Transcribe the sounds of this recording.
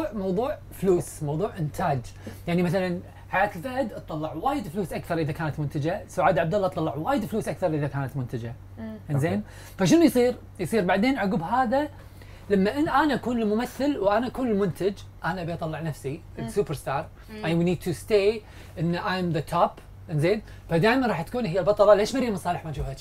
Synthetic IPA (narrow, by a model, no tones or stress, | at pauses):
ʕmɑwðˤuːʕ | fluːsmɑwðˤuːʕʔɪnt̪ʰaːd͡ʒjaʕnimaθalan | ħajaːt̪ɪlfad̪ʔɑt̪ˤːɑlːɑʕwaːjɪd̪fluːsʔakθɑɾˤʔɪðakaːnat̪mʊnt̪ɪd͡ʒasʊʕaːd̪ʕabd̪alːɑʔt̪ˤɑlːɑʕwaːjɪd̪fluːsʔakθɑɾˤʔəðakaːnat̪mʊnt̪ɪd͡ʒa | ʔanzeːm | faʃɪnujsˤiːɾ | jsˤiːɾbaʕd̪eːnʕaɡuːbɦaːða | lamːaʔʔanaʔakuːnɪlmʊmaθːalwʔanaʔakuːnɪlmʊnt̪ʰad͡ʒ | ʔanaʔabiʔɑt̪ˤɑlˤːɑʕnafsiʔɪlsuːpɑɾst̪ɑːɾˤ | ʔajwiniːd̪̚t̪ust̪eː | ʔɪnːʔajmðət̪ʰaːp | ʔɪnzeːn | fad̪aːjmanɾˤɑːħt̪ḁkuːnhɪjːalbɑt̪ˤɑlɑleːʃmaɾimɨnsˤɑːlɪħmad͡ʒuːhat̪